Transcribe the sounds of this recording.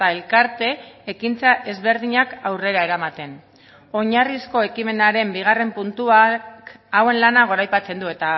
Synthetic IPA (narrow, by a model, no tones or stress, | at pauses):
aelkaɾt̪e̞ːkint͡saʔe̞zβe̞ɾð̞iɲakawre̞ɾae̞ɾamat̪e̞n | o̞ɲarisko̞e̞kime̞naɾe̞mbiɣ̞are̞mpunt̪uakawe̞nlanaɣ̞o̞ɾajpat͡se̞nd̪ue̞t̪a